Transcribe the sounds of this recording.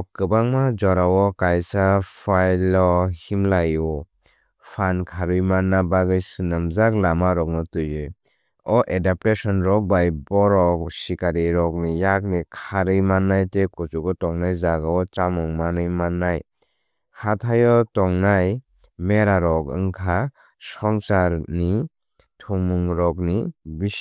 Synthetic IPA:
ɔkːɯbaŋmad͡ʒɔɾawɔkajsapʰajlɔhimlajɔ | pʰankʰaɾɯjmanːabaɡɯjsɯnɯmzaklamaɾɔk̚nɔtujɯ | ɔʔedap̚tesɔnɾɔbajbɔɾɔksikaɾiɾɔk̚nijak̚nikʰaɾɯjmanːajtekut͡ʃuɡɔtɔŋnajzaɡaɔt͡ʃamɯŋmanɯjmanːaj | kʰatʰajɔtɔŋnaj | meɾaɾɔkɯŋkʰa | sɔŋsaɾni | tʰumɯŋɾɔk̚nibi

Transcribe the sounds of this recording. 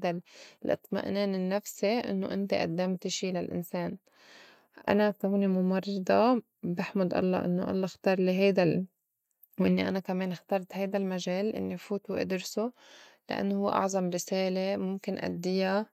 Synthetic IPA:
d̪allʔɨ̰t̪ˤma̰ʔneːnɪnːafsiʔɪ̰nːo̰ʔɪ̰nt̪iʔa̰d̪ːamt̪ɪʃilalʔɪ̰nseːn | ʔa̰nasawnimʊmɑrˤːɑd̪ɑ | bɪħmʊd̪ʔɑ̰lˤːɑ̰ʔɪ̰nːoʔɑ̰lˤːɑxt̪ɑːɾˤliɦajd̪a | wʔɪnːiʔa̰nakameːnxt̪ɑːɾˤt̪hajd̪almaʒeːlʔɪ̰nːifuːt̪uʔɪ̰d̪ɾsu | la̰ʔa̰nːohʊwːḛʔɑ̰ʕzˤɑmɾɪseːlemʊmkɪnʔa̰d̪ːɪja

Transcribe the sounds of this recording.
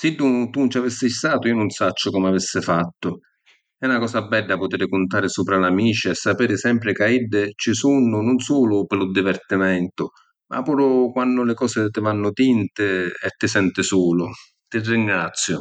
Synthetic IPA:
sɪdːut̪unt͡ʃavisːɪjst̪aːt̪ʊionʊnsat͡ʃːʊkɔmavisːɪfat̪ːʊ | ɛunakɔːsabːɛdːapʊt̪eɾɪkʊnt̪aːɾɪsuːpɾalamiːt͡ʃɪɛsːapeːɾɪsɛmpɾɪkaiɖːɪt͡ʃɪsunːʊnʊnsuːlʊpɪlʊd̪ivɛrt̪imɛnt̪ʊ | mʔa̰pːuːɾʊkwanːʊlɪkɔːsɪt̪ɪvanːʊt̪int̪ɪɛt̪ːɪsɛnt̪ɪsuːlʊ | t̪ɪrːiŋɡɾat̪sːjʊ

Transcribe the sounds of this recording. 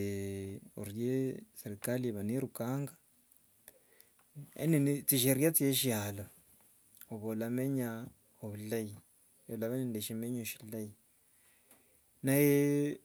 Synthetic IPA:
o̰ɾjeseɾikalieβaniɾukaŋɡa | ḛninit͡siʃ̬eɾjat͡sjeʃialo | oβolameɲa | oβulaji | jolaβenindeʃemeɲoʃilaji | naje

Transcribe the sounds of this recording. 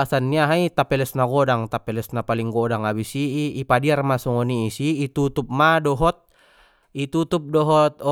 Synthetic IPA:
asanːiaɦait̪apɛlɛsnaɡɔdaŋt̪apɛlɛsnapaliŋɡɔdaŋabisiːpadiarmasɔŋɔniːsiːt̪ut̪up̚madɔɦɔt̪̚ | it̪ut̪up̚dɔɦɔt̪̚

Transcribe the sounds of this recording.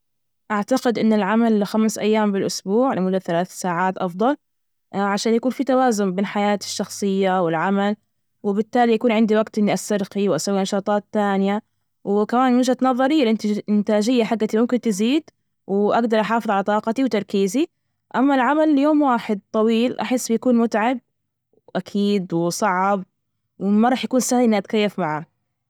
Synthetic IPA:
ʔaʕt̪aɡɪd̪ʔɪnːɪlʕamalxamsʔa̰jːaːmbɪlʔʊsbuːʕlɪmʊlːaθalaːθsaːʕaːt̪ʔɑfd̪ˤɑl | ʕaʃaːnjakuːnfit̪awaːzʊmbeːnħajaːt̪ɪ̥ʃːɑxsˤɨjːawɪlʕamal | wɪbɪt̪ːaːlijakuːnʕɪnd̪iwaɡt̪ʔɪnːiʔasɑɾˤqiwʔasawːinɑʃɑːt̪ˤɑːt̪ːaːnɪja | wɪkamaːnmɪʒʔat̪nɑðˤːɑɾilʔɪnt̪ʔɪnt̪aːd͡ʒɪjːaħaɡːat̪imʊmkɪnt̪ɪziːd̪ | wʔaɡd̪ɑɾˤʔɑħɑːfɨðˤʕalat̪ˤɑːqɑt̪iwt̪ɑɾˤkiːzi | ʔamːalʕamalːjoːmwaːħɪd̪̚t̪ˤɑwiːlʔa̰ħɪsːbjakuːnmʊt̪ʕab̚ | ʔakʰiːd̪wɪsˤɑʕab̚ | wɪmaɾˤɑːħjakuːnsaːhʔɪnːiʔat̪̚kajːafmaʕa

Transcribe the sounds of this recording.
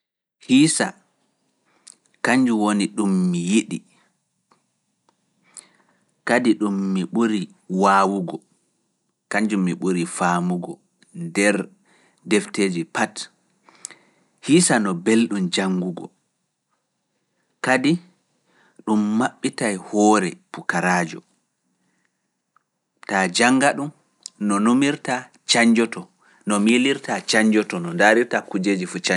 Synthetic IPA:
hiːsa | kaɲd͡ʒuwoniɗumːijiɗi | kadiɗumːiɓuɾi | waːwuɡɔ | kaɲd͡ʒumːiɓuɾifaːmuɡɔ | ndɛɾ | dɛfteːd͡ʒipat | hisanɔbelɗumd͡ʒaŋɡuɡɔ̰ | kadi | ɗumːaɓːitajhɔːɾɛpukaɾad͡ʒɔ | tad͡ʒaŋɡaɗum | nɔnomiɾta | t͡ʃaɲd͡ʒɔtɔ | nɔmiliɾtat͡ʃaɲd͡ʒɔtɔnɔndaɾiɾtakud͡ʒeːd͡ʒifut͡ʃa

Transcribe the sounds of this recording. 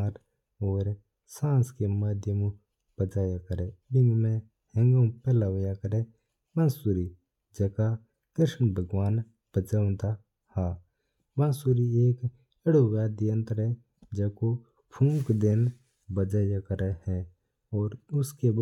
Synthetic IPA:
ɾ | ɔːɾ | sãːskemad̪ʱjəmu | b̥əd͡ʒaːjakəɾebɪ̃ŋɡmẽ | hə̃ŋɡõpɛːlaʋəjakəɾe | mãnsuɾi | d͡ʒɛːka | k̪ɪɾʃmbʱəɡwaːn | b̥əd͡ʒaːʊ̃d̪a | haː | ʋãnsuɾieːk | ɪɽowaːd̪ijə̃nt̪ɾɛ | d͡ʒəːko | pʰũːkd̪en | bəd͡ʒaːjakəɾehɛ̃ | ɔːɾʊske

